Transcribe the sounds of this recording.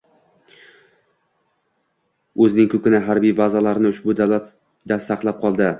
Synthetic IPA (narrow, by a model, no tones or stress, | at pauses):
ɵzɪnɪŋkʰʲɵkʲɪnɪɦaɾbijbazalaɾnɪʊʃbʊd̪alat̪ | d̪asaqlˠap̚qʰɒlˠd̪ɪ